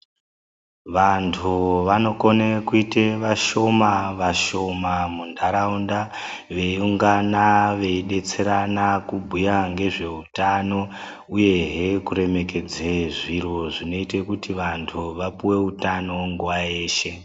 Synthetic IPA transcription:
ʋantʰuʋano̞ko̞nekuite̞ʋaʃo̞maʋaʃo̞mamundʱaɾaunda | ʋe̞uŋɡanaʋe̞iɗe̞t͡se̞ɾanakubʱujaŋɡe̞ʐe̞utano̞ | uje̞ɦe̞kuɾe̞me̞ke̞d͡zeʐiɾoʐino̞ite̞kutiʋantʰuʋapuwe̞utano̞ŋɡuwaeːʃe̞

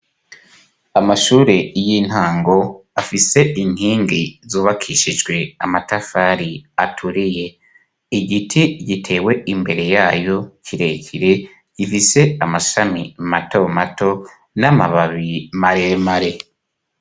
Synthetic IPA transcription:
amaʃuːɾejin̥haːŋɡo̞afise̞ʔin̥hiːŋɡizuːβakʰiʃid͡ʒɡwe̞amatafaɾiatʰuɾije̞ | iɡitʰiɟitʰe̞ːwe̞imbe̞ɾe̞jaːjo̞cʰiɾe̞cʰiɾe̞ | ɟ̥ifise̞amaʃamimato̞matʰo̞ | namaβaβimaɾemaɾe̞

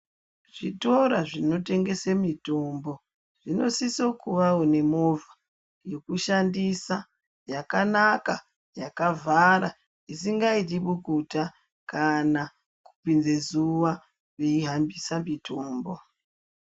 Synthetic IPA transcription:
ʐ̥ito̞ɾaʐino̞te̞ŋɡe̞semito̞mbo̞ | ʐ̥ino̞siso̞kuʋawone̞mo̞vʱa | jo̞kuʃandisa | jakanaka | jakavʱaɾa | isiŋɡaitiɓukuta | kana | ku̥pinzezuʋa | kweiɦambisamitʰo̞ːmbo̞

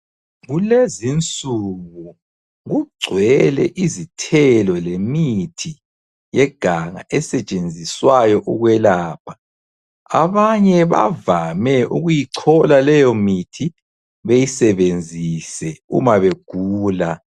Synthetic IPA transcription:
ɣulezint͡sʼuɣu | ɣuɡ͡ǀʱwɛlɛ̰ʔizitʰɛlɔlemitʰi | jɛɡ̥ʱaŋa̰ʔɛsɛt͡ʃʼend͡zʱiswajɔʔuɣwɛlaːp̚ʰḁ | a̰βaɲɛβa̰vamɛʔuɣujiǀʰɔlalɛjɔmitʰi | βejisɛβend͡zʱisɛṵmaβeɡ̥ʱuːla

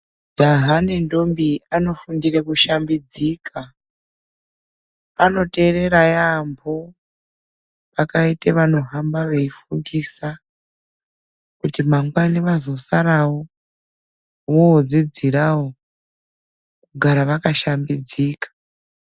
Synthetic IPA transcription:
daɦanendo̞mbiano̞fundirekuʃambid͡ziːkʰa | ano̞te̞re̞ɾajambʰʱo̞ | pakaiteʋano̞ɦambaʋe̞ifundisa | kutimaŋɡwaniʋazo̞saɾawo | woːd͡zid͡ziɾawo | kuɡʱaɾaʋakaʃambid͡ziːkḁ

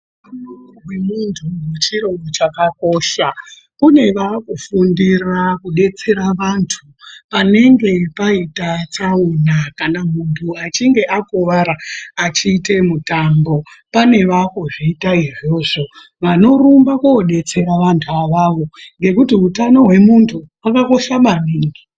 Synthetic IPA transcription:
ano | wemuntʰumut͡ʃiɾo̞ɡot͡ʃakako̞ːʃa | kune̞ʋaːkufundirakuɗe̞t͡se̞ɾaʋantʰu | pane̞ŋɡe̞paitat͡saunakanamuntʰuat͡ʃiŋɡe̞ʔakoʋaɾaːt͡ʃiːte̞mutambo̞pane̞ʋakoʐiːtaiʐo̞ːʐo̞ | ʋano̞rumbakoɗe̞t͡se̞ɾaʋantʰuaʋaʋo̞ŋɡe̞kutiutano̞ɦwe̞muntʰuakako̞ʃamaniːŋɡi

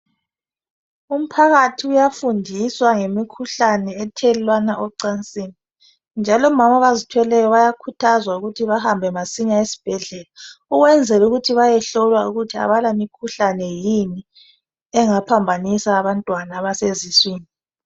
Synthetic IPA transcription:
um̩pʰaɣatʰiujafundʱiswaŋemikʰuɬanɛːtʰɛlilwanaʔɔǀant͡sʼiːni | nd͡ʒʱalɔmamaβazitʰwɛlɛjɔβajakʰutʰazwauɣutʰiβahambʱɛmasiɲaesi̥b̥ʱɛɮɛlauɣwɛnd͡zʱɛluɣutʰiβajɛɬɔlwauɣutʰia̰βalamikʰuɬanɛjini | ɛŋapʰambʱanisaːβantʼwanaːβaseziswiːni

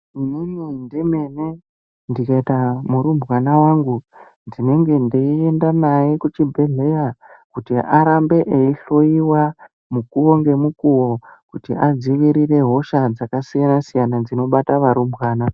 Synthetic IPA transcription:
imimindime̞ne | ndikaitamuɾumbɣanawaŋɡu | ndine̞ŋɡe̞ndeiendanajikut͡ʃibʱeɮe̞jakutiʔaɾambe̞ʔeiɬo̞iwa | mukuwo̞ŋɡe̞mukuwo̞kutiʔad͡ziʋiɾire̞ɦo̞ʃad͡zakasijanasijanad͡zino̞ɓataʋaɾumbʱwaːna

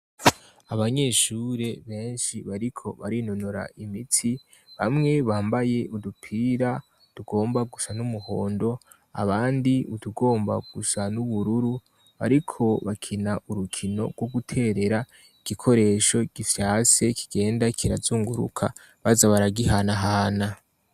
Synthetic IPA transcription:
aβaɲe̞ːʃuːɾe̞βe̞ːnʃiβaɾikʰo̞̰βaɾinonoɾa̰ʔimitʰi | βamŋe̞βaːmbaje̞ʔudupʰiːɾa | tuɡ̥o̞ːmbaɡusanumuho̞ːndo̞ | a̰βaːndiuduɡo̞ːmba̰ɡ̥usanuβuɾuɾu | βa̰ɾikʰo̞βakʰinaʔuɾukʰino̞̰ɡwoɡutʰe̞ɾe̞ɾa | iɡ̥ikʰo̞ɾe̞ːʃo̞ɡ̥ifjase̞kʰi̥ɡ̥e̞ːndakʰiɾazuːŋɡuɾṵkʰa | βazaβaɾaɡihanaɦaːna

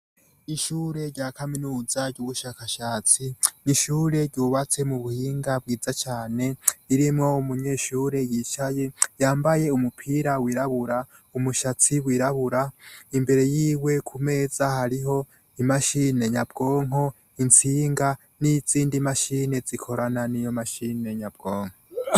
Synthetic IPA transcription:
iʃuːɾe̞ɾɟaːkaminuːzaɾɟuβuʃaːkaʃaːt͡siniʃuːɾe̞ɾɟuβat͡se̞muβuhiːŋɡab̚ɡiːzat͡ʃaːne̞iɾimŋo̞umuɲe̞ːʃuːɾe̞jiːt͡ʃaje̞jaːmbaje̞umupʰiɾawiːɾaβuɾa | umuʃat͡siwiːɾaβuɾaimbe̞ɾe̞jiːwe̞kʰume̞ːzahaɾiɦo̞ | imaʃine̞ɲab̚ɡo̞ːŋ̥ɦo̞ | int͡siːŋɡa | niz̥iːndimaʃine̞zikʰo̞ɾananijo̞maʃine̞ɲab̚ɡ̥o̞ːŋ̥ho

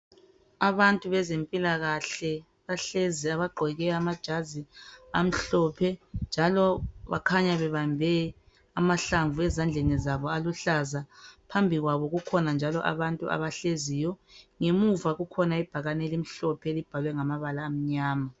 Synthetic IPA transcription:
aβantʼuβɛzempʼilaɣaɬɛ | βaɬeziaβaɡ͡ǃʱɛɣɛamad̥ʒ̥ʱaziam̩ɬɔpʰɛnd͡ʒʱalɔβa̰kʰaɲaβɛβambʱɛ | amaɬaɱvuɛzand͡ɮʱenizaβɔaluɬazapʰambʱiɣwaβɔɣukʰɔnand͡ʒʱalɔʔa̰βantʼṵʔa̰βaɬezijɔŋemuvaɣukʰɔnaib̥ʱaɣanelim̩ɬɔpʰɛelib̥ʱalwɛŋamaβalaːm̩ɲaːma

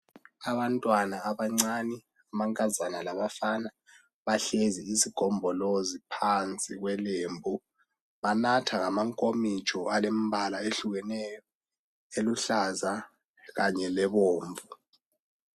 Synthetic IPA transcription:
aβantʼwanaːβaŋ͡ǀanɛ | amaŋkʼazanalaβafana | βaɬeziisiɡ̥ʱɔmbʱɔlozipʰant͡sʼiɣwɛleːmbʱu | βanatʰaŋamaŋkʼomit͡ʃʼɔalem̩bʱalaeɬuɣɛnɛjɔ | eluɬaza | ɣaɲɛlɛβoːɱvu

